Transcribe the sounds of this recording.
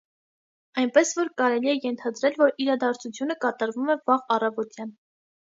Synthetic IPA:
ɑjnpɛsvɔɾkɑɾɛliɛjɛnt̪ʰɑd̪ɾɛlvɔɾiɾɑd̪ɑɾt͡sʰut͡sʰjunəkɑt̪ɑɾvumɛvɑʁɑrɑvɔt̪jɑn

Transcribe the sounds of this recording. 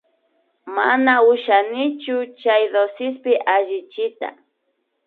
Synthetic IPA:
manaʊʃanɪt͡ʃʊt͡ʃajðosɪspɪʔaʒɪt͡ʃɪt̪a̰

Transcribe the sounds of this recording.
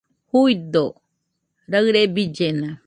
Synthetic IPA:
hujd̪o | ɾɐɣɾebid͡ʒena

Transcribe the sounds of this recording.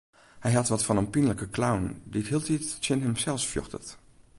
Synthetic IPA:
hɛjɦɑtʋɔtfɑnənpinələkəklawndithiəlˠtittɪnɦəmsɛlˠsfjø̰xtə̰t

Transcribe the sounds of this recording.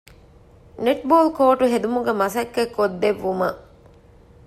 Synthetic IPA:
neʈboːlkoːʈuɦed̪umuɡemɐsɐkːekʰːod̪ːeʋːumɐʔ

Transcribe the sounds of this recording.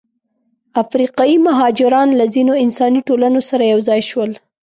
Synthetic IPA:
afɾiqɑjimaɦɑd͡ʒɪɾɑnlazinoɪnsɑniʈolanosaɾajawzɑjʃwəl

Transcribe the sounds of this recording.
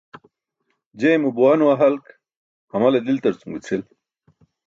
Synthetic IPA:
d͡ʑemubuwanuaɦalk | hamalad̪ilt̪ɐɾt͡suŋɡut͡sʰil

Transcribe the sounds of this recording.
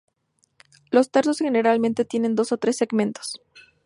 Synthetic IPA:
lo̞st̪aɾsosxe̞ne̞ɾalmẽnt̪e̞t̪je̞ne̞nd̪o̞so̞t̪ɾe̞sːe̞ɣmẽ̞nt̪o̥s

